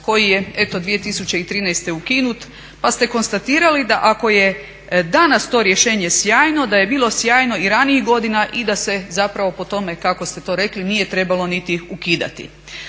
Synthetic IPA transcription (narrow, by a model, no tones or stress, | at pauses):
ko̞jije̞e̞t̪o̞d̪ʋijet̪isut͡ɕe̞it̪ɾiːnɛjst̪e̞ukinut̪ | past̪e̞ko̞nst̪at̪iːɾalid̪aʔako̞je̞ | d̪anast̪o̞ːɾje̞ʃe̞ːɲe̞sjaːjno̞d̪aje̞biːlˠo̞sjaːjno̞iɾaniixɡo̞d̪inaʔid̪ase̞zapɾaʋo̞po̞t̪o̞me̞kako̞st̪e̞t̪o̞ːɾe̞klinije̞t̪ɾe̞balo̞nit̪iukid̪a̰t̪ḭ